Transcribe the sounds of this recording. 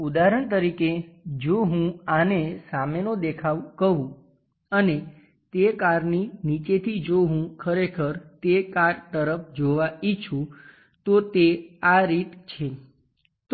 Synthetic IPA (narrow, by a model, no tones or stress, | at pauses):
ud̪aɾəɳ̃t̪əɾiked͡ʒoɦũanesamenod̪ekʰaʋkəɦũ | əne | t̪ekaɾninit͡ʃet̪ʰid͡ʒoɦũkʰəɾekʰəɾt̪ekaɾt̪əɾəpʰd͡ʒoʋait͡ʃʰũ | t̪ot̪eaɾit̪t͡ʃʰe | t̪